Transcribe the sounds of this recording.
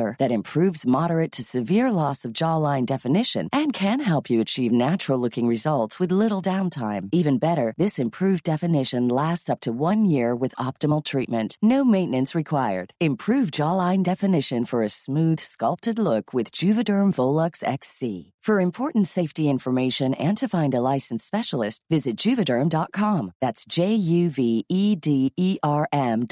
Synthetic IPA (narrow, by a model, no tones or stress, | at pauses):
ə˞ðɨɾɨ̃mpʰɹ̥ʉvzmɑɾə˞ɨtʰɨsɨvɪɹlɔsʌvd͡ʒɑlãɪ̃ndɛfɨnɪʃɨ̰̃nʔɨ̃nkʰɨ̃nɦɛlˠpʰjɨɨt͡ʃʰivnæt͡ʃɹl̩ˠlʊkɪ̃ŋɹɨzʌlˠtswɨðlɪɾl̩ˠdãʊ̃ntʰãɪ̃mivɨ̃nbɛɾə˞ðɪsɨ̃mpʰɹ̥ʉvdɛfɨnɪʃɨ̃nlæstsʌp̚tʰəwʌ̃njɪɹwɨðɑp̚tɨml̩ˠtʰɹ̥it̚mɨ̃nʔnoʊmẽɪ̃nɨ̃nsɹɨkʰw̥aɪə̰˞d̥ɨ̃mpʰɹ̥ʉvd͡ʒɑlˠãɪ̃ndɛfɨnɪʃɨ̃nfə˞ɨsmʉð̥skʌlˠp̚tɨdˡlʊkʰwɨðd͡ʒʉvɨdɜ̃˞ɱvoʊlˠʌksɛ̰ksḭfə˞ɨ̃mpʰɔɹʔn̩tseɪftiɪ̃ɱfə˞meɪʃɨ̃nɨ̃ntʰɨfãɪ̃ndəlaɪsn̩spɛʃl̩ˠɨst̚vɪzɨt̚d̥ʒ̥ʉvɨdɜ̃˞mdɑt̚kʰɑ̃mðætsd̥ʒ̥eɪjʉviidiiʔɑɹʔɛ̃m